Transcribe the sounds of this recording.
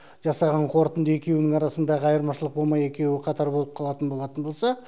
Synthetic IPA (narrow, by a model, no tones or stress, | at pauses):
ʒɑsɑʁɑɴqʰo̞ɾt̪ənd̪əe̞kʲe̞wɪnɪŋɑɾɑsənd̪ɑʁəɑjəɾmɑʃəlˠəq̚bo̞lˠmɑje̞kʲe̞wɪqʰɑt̪ɑɾbo̞lˠəp̚qʰɑlˠɑt̪ənbo̞lˠɑt̪ənbo̞lˠsɑ